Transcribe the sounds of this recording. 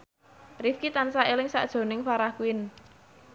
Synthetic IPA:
rifkit̪ansaelɪŋsa̰ʔd̥ʒ̥o̤nɪŋfaɾahkuɪn

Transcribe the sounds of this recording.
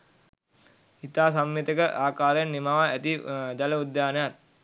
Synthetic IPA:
hit̪aːs̬amːit̪əkəʔaːkaːɾjanːimaːʋaæt̪id̪ɛləud̪jaːnəjat̪̚

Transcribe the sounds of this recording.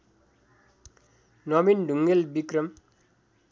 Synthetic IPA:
nʌminɖʱuŋɡelbikrʌm

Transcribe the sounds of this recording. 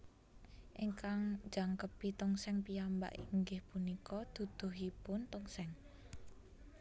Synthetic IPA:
ʔiŋkaŋ̥d͡ʒaŋkəpit̪ɔŋsɛŋpijamba̰ʔḭŋɡɪhpunikɔd̪̥ṳd̪̥o̤ɦipʊnt̪ɔŋsɛŋ

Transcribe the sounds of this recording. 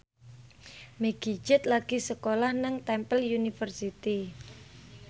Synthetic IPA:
meɡ̥i̤̥d͡ʒɪt̪̚laɡ̥isəkolahnəŋt̪ɛmpəljunifərsit̪i

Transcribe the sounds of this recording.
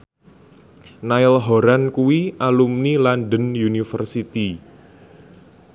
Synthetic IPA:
naɪlɦoɾankuwiʔalumnilanɖənjunifərsit̪i

